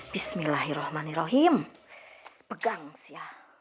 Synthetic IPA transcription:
b̥ismilaɦiɾɔhmaniɾɔɦiəm | b̥əɡaŋsiah

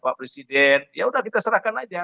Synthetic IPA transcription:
paʔpɾesidɛnjaudahkit̪asəɾahkanad͡ʒa

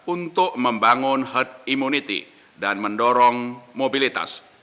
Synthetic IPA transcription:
unt̪ʊʔməmbaŋʊnhət̪̚imunit̪ḭ | danməndɔɾɔŋmobilit̪a̰s

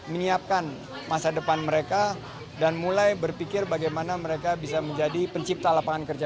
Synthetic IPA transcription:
məɲiap̚kan | masadəpanməɾeka | danmulajbərpikɪrbaɡajmanaməɾekabisaməɲd͡ʒadipəɲt͡ʃip̚t̪alapaŋankərd͡ʒa

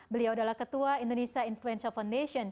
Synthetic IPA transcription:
bəliawadalahkət̪uaindonesiainfluɛnsafawndesiɔn

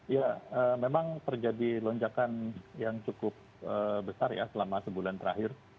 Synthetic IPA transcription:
jaəːmemaŋt̪ərd͡ʒadilɔɲd͡ʒakanjaŋt͡ʃukʊp̚əbəsarja̰səlamasəbulant̪əɾa̰ɦɪr

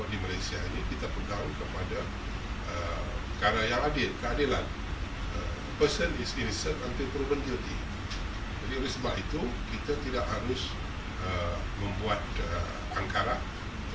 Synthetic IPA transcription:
dimalajsiainikit̪apənd̪aunkəpada | əkaɾajaŋadɪlkəadilan | ə̰ | pəsənɪsɪnsətant̪ipəɾubənt̪ut̪i | d͡ʒadiolɛhsəbapit̪ukit̪at̪idaʔhaɾʊs | ə | məmbuat̪̚ə | aŋkaɾa

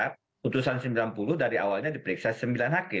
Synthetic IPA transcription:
a | ut̪usansəmbilanpuluhdaɾiʔa̰walɲadipəɾiksasəmbilanɦakɪ

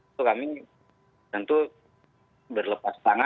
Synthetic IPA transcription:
ukami | t̪ənt̪u | bərləpast̪aŋa

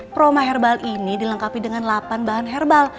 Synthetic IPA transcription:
pɾomaɦɛrbalʔinidiləŋkapidəŋanlapanbaɦanɦɛrbal

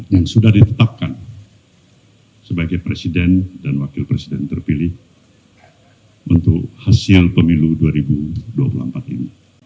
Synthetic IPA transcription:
jaŋsudahdit̪ət̪ap̚kan | səbaɡajpɾesidɛndanwakɪlpɾesidɛnt̪ərpilɪh | unt̪ʊk̚hasɪlpəmiluduaɾibudua̰pulṵhəmpat̪̚ḭni

